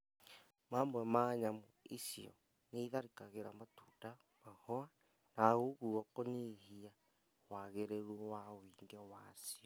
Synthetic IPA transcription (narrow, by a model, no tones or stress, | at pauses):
mamwɛmaɲamuisiɔ̰ | neiðaɾikaɣeɾamatuda | mahɔa | naɣoɣuwakonehia | waɣeɾeɾuwawiŋɡewasiɔ